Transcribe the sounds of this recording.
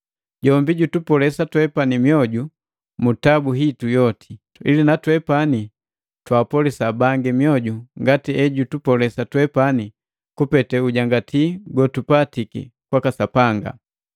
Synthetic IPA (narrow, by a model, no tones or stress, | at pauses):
ɟɔmbiɟutupɔlɛsatwɛpanimjɔɟu | mutabuɦitujɔtʰi | ḭlinatwɛpani | twaːpɔlisabaŋɡimjɔɟuŋɡatiɛɟutupɔlɛsatwɛpani | kupɛtɛuɟaŋɡatʰiɡɔtupatikḭkwakasapaŋɡa̰